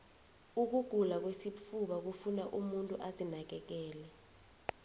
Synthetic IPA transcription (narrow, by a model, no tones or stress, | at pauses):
uk̬uɡ̥ʱulak̬wesip̪fʰuɓak̬ufunaʔumuntʼuʔazinak̬ɛk̬ɛːlɛ